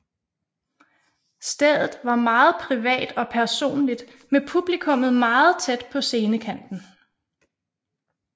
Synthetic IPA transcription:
sd̥eðˠð̩ˠʋɑ̈mɑ̈ːð̩ˠpʰʁiʋɛ̰ːd̥ɒ̽pʰæɐso̝̰ːnlid̥ | mepʰub̥likʰɔ̽mð̩ˠmɑ̈ːð̩ˠt͡sʰed̥pʰɒ̽se̝ːnəkʰæn̰d̥n̩

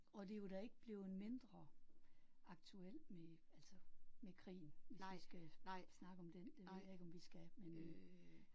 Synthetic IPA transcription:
ɒ̽d̥e̝jo̝d̥æe̝ɡ̥əb̥leːʊenme̝nd̥ʁɐ | ɑ̈ɡ̥̚t͡sʰuel̰meælsɒmekʰʁḭːnʋe̝sʋisɡ̥æ̈snɑ̈ɡ̥əɒ̽md̥end̥e̝ʋ̝ð̰ˠjɑ̈e̝ɡ̥ɒ̽mʋisɡ̥æmen

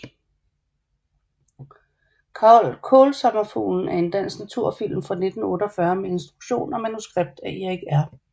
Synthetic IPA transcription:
kʰɑ̈ɒlkʰɔːlsɑɡ̥ɐfṵːln̩æɐe̝nd̥æn̰snæt͡sʰuɐ̰fil̰mfʁɑ̈ne̝d̥n̩ɔ̽ːɾəɒfɶɐmee̝nsd̥ʁuɡ̥ɕo̝̰ːnɒ̽mænusɡ̥ʁeb̥̚d̥æieɡ̥æɐ

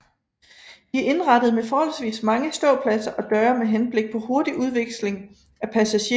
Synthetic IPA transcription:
ʋiæɐʔe̝nʁɑd̥əð̩ˠmefɒːhɒ̽l̰sʋḭːsmɑ̈ŋəsd̥ɔ̰̽ːpʰlæsɐʔɒ̽d̥ɶːɐmeɦenb̥le̝ɡ̥̚pʰɒ̽ho̝ɐd̥iʔuð̞ˠʋe̝ɡ̥sle̝ŋ | æpʰæsæɕe

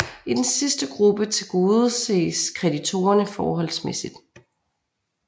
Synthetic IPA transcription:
id̥ensisd̥əɡ̥ʁub̥ət͡sʰe̝lɡ̥o̝ːð̞ˠse̝̰ːskʰʁɛdit͡sʰo̝̰ːɐnəfɒːɦɒ̽l̰smesid̥

